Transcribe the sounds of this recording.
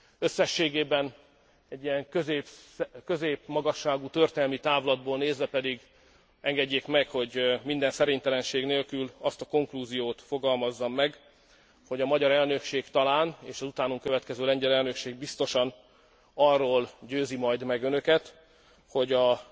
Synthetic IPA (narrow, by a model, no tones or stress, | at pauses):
ø̞sːɛʃːeːɡeːbɛn | ɛɟːijɛŋkøzpkøzeːpmɒɡɒʃːaːɡut̪ørt̪eːnɛlmit̪aːvolɒd̪̚boːlneːzʋɛpɛd̪iɡ | ɛŋɡɛɟːeːkmɛkho̞ɟmind̪ɛnsɛɾeɲt̪ɛlɛnʃeːɡneːlkylɒst̪ɒko̞ŋkluːzijoːt̪fo̞ɡɒlmɒzːɒmːɛɡ | ho̞ɟɒmɒɟɒɾɛlnø̞kʃeːɡt̪ɒlaːneːʃɒzut̪aːnuŋkø̞vɛt̪kɛzøːlɛɲɟɛlɛlnø̞kʃeːɡ̚bist̪o̞ʃɒn | ɒrːoːlɟøːzimɒjd̪mɛɡønø̞kɛt̪ | ho̞ɟɒ